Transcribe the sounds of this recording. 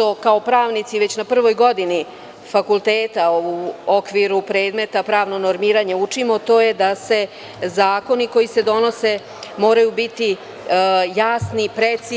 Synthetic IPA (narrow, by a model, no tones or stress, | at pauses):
t̪o̞kao̞pɾaːʋnit̪siʋe̞t͡ɕnapr̩ʋo̞jɡo̞d̪ini | fakulˠt̪eːt̪auokʋiɾupɾe̞ːd̪me̞t̪apɾaːʋno̞noɾmiːɾaɲeut͡ʂimo̞t̪o̞ːjed̪ase̞ | zaːko̞niko̞jise̞d̪o̞no̞se̞ | mo̞ːɾajubit̪i | jaːsnipɾet̪si